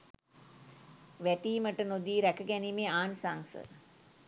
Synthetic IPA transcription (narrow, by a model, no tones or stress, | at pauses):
ʋæʈiːməʈənod̪iːɾækəɡænimeaːnsaŋsə̰